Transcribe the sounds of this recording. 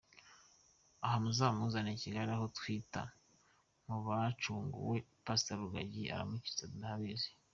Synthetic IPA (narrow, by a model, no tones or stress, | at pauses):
ahamuzaːmuzaniciɡaɾiaɦo̞twiːta̰ | muβat͡ʃuːŋɡṵwepasitaɾuɡaɟia̰ɾa̰muci̥t͡sanahaβizi̥